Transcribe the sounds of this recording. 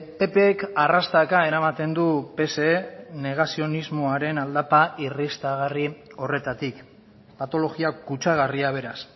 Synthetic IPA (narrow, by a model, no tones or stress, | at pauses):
pe̞peːkarast̪akae̞ɾamat̪e̞nd̪upe̞se̞ne̞ɣ̞asio̞nizmoaɾe̞nald̪apairist̪aɣ̞ario̞re̞t̪at̪ik | pat̪o̞lo̞ɣiakut͡ʃaɣ̞ariaβ̞e̞ɾas